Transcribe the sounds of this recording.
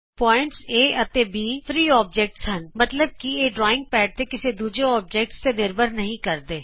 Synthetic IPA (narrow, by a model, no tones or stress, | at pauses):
pɔːɪ̃ɳʈseːɐt̪ebiːfɾiːɔːb̚d͡ʒeːk̚ʈsɦɐnmɐt̪ləb̚kieːɖɾɔːɪ̃ŋɡ̚pɛːʈ̚t̪ekɪsed̪uːd͡ʒeɔːb̚d͡ʒeːk̚ʈst̪enɪɾbʱəɾnɐɦĩkɐɾd̪eː